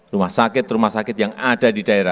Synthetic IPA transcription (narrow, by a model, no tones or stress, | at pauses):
rumahsakɪt̪rumahsakɪt̪jaŋadadidaeɾa